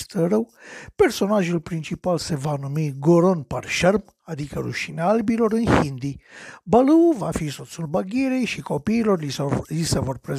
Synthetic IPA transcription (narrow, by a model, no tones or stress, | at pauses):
st̪əɾəwpe̞rso̞naʒulpɾint͡ʃipalse̞vanumiɡoɾonparʃərm | ad̪ikəɾṵʃineaalbilo̞ɾɨnhind̪ibaluvafiso̞t̪sulbaɡʲeɾejʃiko̞piːlo̞rlisevorpɾe